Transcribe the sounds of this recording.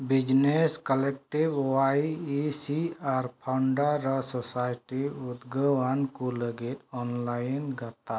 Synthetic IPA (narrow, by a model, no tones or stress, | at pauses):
bid͡ʒneskɔlɛk̚ʈibwajisiaɾpʰawɳɖaɾɔsɔsajʈiud̪ɡəwankuləɡit̪̚ɔnlajnɡat̪a